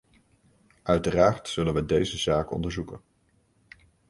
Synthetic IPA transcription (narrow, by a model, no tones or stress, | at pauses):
ʔœɥtəraːrtsɵlənʋədejzəzaːkɔ̰ndəɹzukən